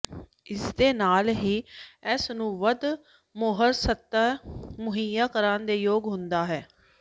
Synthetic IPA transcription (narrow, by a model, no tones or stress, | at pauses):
ɪsd̪eːnaːlɦiːɛːsnũːʋəd̪ | moːɦəɾsət̪ːmʊɦijjaːkəɾaːnd̪eːjoːɡɦʊnd̪aːɦɛː